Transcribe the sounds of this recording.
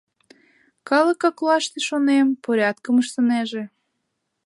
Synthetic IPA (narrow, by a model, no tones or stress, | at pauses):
kɑləkɑklɑʃt̪eʃonempoɾʲɑt̪̚kəməʃt̪əneʒe